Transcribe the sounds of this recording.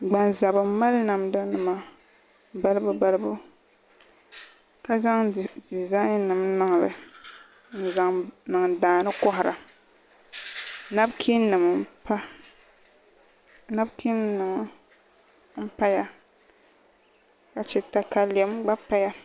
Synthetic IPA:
ɡ͡ba˨nza˨bɨ˨ma˦lna˨mda˦nɨ˨ma˨ | ba˦lɨ˦bʊ˦ba˨lɨ˦bʊ˦ | ka˦za˦ŋ˨di˨za˦jnɨ˨mnɨ˨ŋ˨lɨ̰˨ | n̩˦za˨ŋnɨ˨ŋ˨daː˨nɨ˦kɔ˦hʊ˨ɾa̰˨ | na˦bkʰi˦nɨ˨m˨˦pa˦ | na˦bkʰi˦nɨ˨m˦ | m̩˦pa˦ja˨ | ka˨t͡ʃɛ˦ta˦ka˦lɛ˨˦mɡ͡ba˦pa˦ja˦

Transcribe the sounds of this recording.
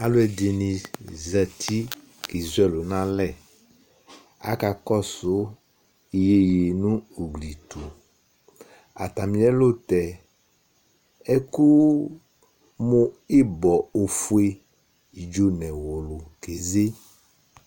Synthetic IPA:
a˨lo˦ɛ˨de˨nĩ˨zɛ˨tʰi˦ | ki˨zu˦ɛ˦lo˨nã˦lɛ˨ | a̰˦ka˨kɔ˦sʊ˨˦ | i˨je˦˨je˨nũ˦o˨ɡli˨t̪u˨ | a˨t̪a˨mĩ˨˦ɛ˦lo˦t̪ɛ˨ | ɛ˦ku˦ | mʊ˦i˦bɔ˨o˨fu˦e˦ | i˨d͡ʒo˦nɛ̃˨wo˨lʊ˨ke˨ze˦

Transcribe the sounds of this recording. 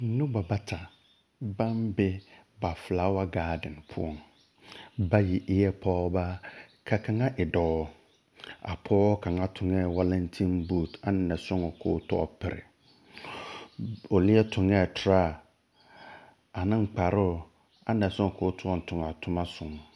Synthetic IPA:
nʊ̃˦ba˨ba˦tʰa˨ | bã˦mbɪ˦ | ba˨fla˨˦wa˦ɡaː˦dɪ̃˨npʰʊ̰˦ɔ˦m | ba˦ji˨ʔɪ˦jɛ˦pʰɔː˦ba˦kʰa˨kʰã˨ŋã˦ʔɪ˨dɔː˨˦ | a̰˨pʰɔː˦kʰã˨ŋã˦tʰʊ̃˨ŋɛ˦˨wa˦lã˦ntʰĩ˦nbuː˦˨ta˨n˦nã˨sʊ̃˦ŋɔ˨kʰoː˨˦tʰɔ˦ɔ̰˦pʰɪ˨ɾɪ̰˨ | o˨lɪ˦ɛ˦tʰʊ˨ŋɛ˦˨tʰɾa˦˨ | a˨nɪ̃˦ŋ͡m̩˨k͡pa˨ɾʊ˦˨ | a˨˦nã˨sʊ̃˦ŋɔ˨kʰoː˨˦tʰɔ˦ɔ˨n̩˨tʰʊ̃˨ŋa˨tʰʊ˦mã˦sʊ̃˨ŋ

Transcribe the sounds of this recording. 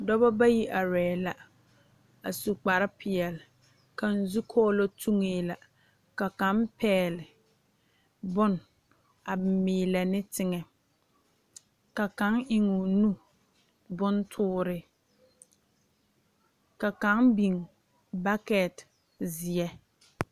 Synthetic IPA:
dɔ˦bɔ˦ba˦ji˦ʔa˨ɾɛː˨la˨ | a˨su˨k͡pa˨ɾɪ˦pʰɪ˨ɛ˨lɪ˨ | ka˨n̩˦zu˦kʰɔː˦lo˦tʰu˦ŋeː˨la˨ | ka˨ka˨˦mpɛː˦˨lɪ˨ | bʊ˦n | a˨mɪː˨la˨nɪ˦tɪ˦ŋɛ˨ | ka˨ka˨˦ŋʔɪ˨ŋʊ˨nu˦ | bʊ˦ntʰʊː˦ɾɪ˨ | ka˨ka˨˦ŋbi˨ŋ˨ | ba˦kɛ˨t | zɪ˨ɛ˦

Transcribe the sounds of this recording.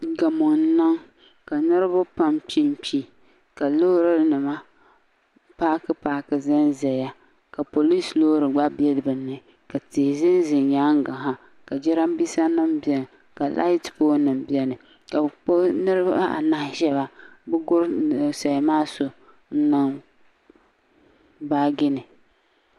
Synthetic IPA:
ɡa˨mʊ˨n˦nɨ˦ŋ | ka˨nɨ˦ɾɨ˦bʊ˦pa˦mpi˦mpi˦ | ka˨lo˦hɾɨ˦nɨ˨ma˦ | paː˦kɨ˦paː˦kɨ˨zɪ˦nzɛ˨ja˦ | ka˨po˨li˦slo˦ɾɨ˨ɡ͡ba˦bɛ˦lɨ˨bɨ˨nːɨ˦ | ka˨tɪ˨hɪ˨zɪ˦n˦zɪ˨nja˦ŋ˦ɡa˨ɦa˦ | ka˨d͡ʒɛ˦ɾa˦mbi˦sa˦nɨ˦mbi˦˨ɛ˨n˨ | ka˨lʔa̰˦ɪ˦tpoː˦nɨ˨mbi˦ɛ˦nɨ˨ | ka˨k͡po˦nɨ˦ɾɨ˦bba˦ʔa̰˨na˦ʃɛ˦ba˨bɨ˦ɡʊ˦ɾsa˨jmaː˦so˨ | n̩˦nɨ˦ŋ | baː˦ɡɪ˦nɨ˨

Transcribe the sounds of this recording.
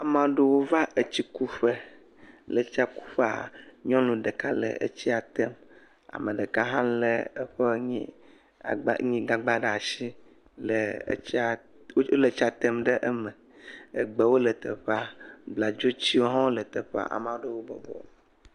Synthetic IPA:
a˨mã˨˦ɖə˦wo˦va˦ʔə˨t͡ɕi˦ku˦ɸə˦ | lə˨t͡ɕi˦a˦ku̥˦ɸe˦a̰˨ɲɔ̃˦lũ˨ɖə˨ka˦lə̰˨ə̰˦t͡ɕi˦a˨t̪ɛ˦m | a̰˨mə˨ɖə˨ka˦ɦã˦lə˨ə˦ɸə˦ɲḭ̃˦˨ | ɡ͡b̰ɲĩ˦ɡa˦ɡ͡ba˦ɖa˨si˦ | lə̰˨˦a˨˦ | o˦lə˨t͡ɕi˦a˨t̪ɛ˦mɖə˦ʔə˦mə̃˨ | ə˦ɡ͡bə˨wo˦lə˨t̪ə˨ɸa˦ɡ͡bla˨d͡ʒo˦t͡ɕi˦wo˦ɦɔ̃˦lə˨t̪ə˨ɸa̰˦ʔa̰˨mã˨wo˦ɖə˦wo˦bɔ̰˨bɔ̰˨

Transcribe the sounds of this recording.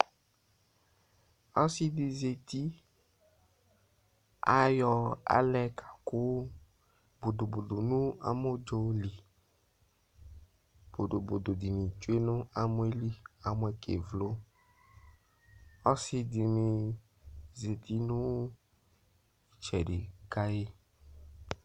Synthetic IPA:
ɔ˦sɪ˦di˨ze˨t̪i˦ | a̰˦jɔ˧a̰˦lɛ˦kḁ˨kʊ˦ | bo˨do˨bo˨do˨nũ˦a̰˨mo˦d͡ʒo˨li˨ | b̥o˨do˨bo˨do˨di˨mĩ˨t͡ʃu˦e˦nʊ̃˦a˨mʊ˦e˦li˦a˨mʊ˦ɛ˨kʰḛ˨vlo˦ | ɔ˦sɪ˦dɪ˨mɪ̃˨ | ze˨t̪ʰi˦nʊ̃˦˨ | t͡ʃɛ˨ɖɪ˨ka˦je˦

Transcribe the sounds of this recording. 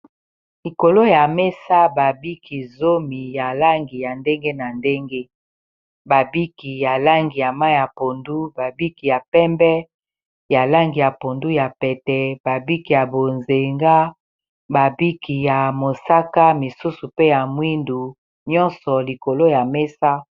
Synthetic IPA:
li˨ko˨lo˦ja˨me˦sa˦ba˨bi˦kʰi˨zo˦mi˨ja˨la˦ŋɡi˨ja˨nde˦ŋɡe˦na˨nde˦ŋɡe˦ | ba˨bi˦ki˨ja˨la˦ŋɡi˨ja˨ma˦ja˨po˨ndu˦ba˨bi˦ki˨ja˨pɛ˦mbɛ˦ | ja˨la˦ŋɡi˨ja˨po˨ndu˦ja˨pɛ˨tɛ˨ba˨bi˦ki˨ja˨bo˨nze˨ŋɡa˦ | ba˨bi˦ki˨ja˨mo˨sa˦ka˦mi˨su˦su˨pe˦ja˨mwi˦ndu˨ | ɲɔ̃˦nsɔ˨li˨ko˨lo˦ja˨me˦sa˦

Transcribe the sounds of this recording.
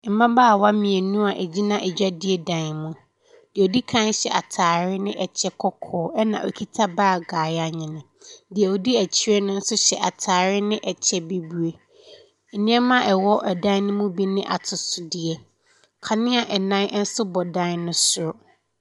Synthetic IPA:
m̩˨mã˦baː˦˨wa˦mĩ˨e˨nũ˦a˨ʔɛ˨d͡ʑi˦nã˨ʔɛ˨d͡ʑᶣa˦dɪ˦ɛ˦dã˨nmũ˦ | d̥i˨o˨di˦kʰã˦n˦ɕɛ̰˨ʔa˨tʰaː˨ɾɪ˦nɪ̃˦ʔɛ˨t͡ɕʰɛ˦kʰɔ˦kʰɔː˨˦ʔɛ˦nã̰˨o˨kʰi˦tʰa˦baː˦˨ɡaː˨ja˦ɲɪ̃˨nɪ̃˨ | dɪ˨ɛ˨o˨di˦æ˨t͡ɕʰi˦ɾɛ˦nʊ̃˦n̩˦sʊ˦ɕɛ˨ʔa˨tʰaː˨ɾɪ˦nɪ̃˦ʔɛ˨t͡ɕʰɛ˦be˦bu˦e˦˨ | nĩ˦ɛ˦mã˦ʔɛ˨wɔ˦ʔɛ˨dã˦nɪ̃˦mũ˦bi˦nɪ̃˦ʔa̰˨tʰʊ˨sʊ˨dɪ˨ɛ˦ | kʰa˨nɪ̃˦a˨ʔɛ˨nã˦n˦n̩˦sʊ˦bɔ˨dã˦nnʊ̃˦sʊ˨ɾʊ˦

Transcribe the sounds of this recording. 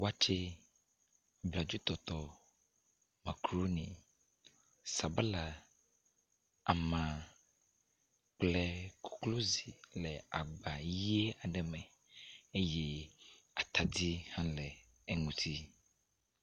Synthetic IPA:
wa˦t͡ʃɛ˦ | bla˨d͡ʒu˦t̪ɔ˨t̪ɔ˨ | mã˨kɾo˦nĩ˨ | sa˨ba˦la˨ | a˨mã˨ | k͡plɛ˦kʰu̥˦klo˦zi˨lɛ˨a˨ɡ͡ba˨je˦a˨ɖɛ˨mɛ̃˨ | e˦jɛ˦ | a˨t̪a˨d̪i˦hã˦lɛ˨ | ɛ˨ŋũ˨t̪ʰi˦

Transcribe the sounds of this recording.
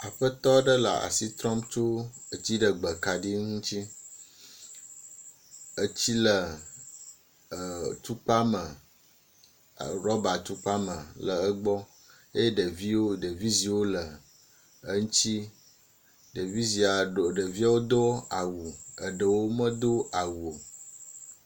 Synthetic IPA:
a˨ɸə˦t̪ɔ˦ɖə˦la̰˨a̰˨si˦t̪ɾɔ˦mt͡ʃo˦ə˦t͡ɕi˦ɖə˨ɡ͡bə˨ka˨ɖi˦ŋũ˦t͡ɕi˦ | ə˦t͡ɕi˦lə˨ | t̪u˦k͡pa˦mə˨ | ɾɔ˦ba˨t̪u˦k͡pa˦mə̃˨lə˨ə˦ɡ͡bɔ˦ | e˦je˦ɖə˨vi˦wo˦ɖə˨vi˦zi˨wo˦lə˨ | ə˦ŋũ˦t͡ɕi˦ | ɖə˨vi˦zi˨a˨o˨ɖə˨vi˦a˦wo˦d̪o˦a˨wu˨ə̰˨ɖə˨wo˦mə̃˦d̪o˦a˨wu˨o˨

